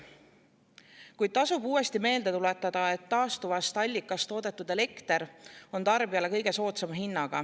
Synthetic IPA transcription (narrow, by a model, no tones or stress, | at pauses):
kujd̪̥̚t̪ɑsubuːe̞st̪ime̞ːld̪e̞t̪ulet̪ːˑɑd̪̥ɑe̞t̪ːɑːst̪uvɑst̪ɑlʲːikːˑɑst̪o̞ːd̪e̞t̪ːˑud̪e̞le̞kt̪e̞ɾo̞nt̪ɑrbiɑle̞kɤ̞jɡ̥e̞so̞ːt̪semɦinːɑɡ̥ɑ